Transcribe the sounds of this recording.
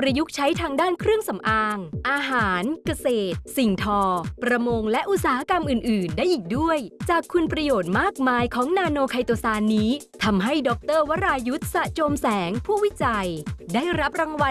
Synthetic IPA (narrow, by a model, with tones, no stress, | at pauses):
pɾa˧ju˦˥k̚t͡ɕʰa˦˥jt̪ʰaː˧ŋdaː˥˩nkʰɾɯ˥˩əŋsa˩˦mʔaː˧ŋʔaː˧ɦaː˩˦nka˧seː˨˩t̪̚si˨˩ŋt̪ʰɔː˧pɾa˧mo˧ŋlɛ˦˥ʔu˧˩t̪̚saː˨˩˦ha˦˥ka˧mʔɯː˨˩nʔɯː˨˩ndaː˥˩jʔiː˨˩k̚du˥˩əjt͡ɕaː˨˩kʰːu˧npɾa˧joː˨˩t̪̚maː˥˩k̚maː˧jkʰɔː˩˦ŋnaː˧noː˧kʰa˧jt̪oː˧saː˧nːiː˦˥ | t̪ʰa˧mɦa˥˩jdɔ˦˥k̚t̪ɤː˥˩wa˦˥ɾaː˧ju˦˥t̪̚sa˨˩ʔt͡ɕoː˧msɛː˩˦ŋpʰuː˥˩wi˦˥t͡ɕa˧jdaː˥˩jɾa˦˥p̚ɾa˧ŋwa˧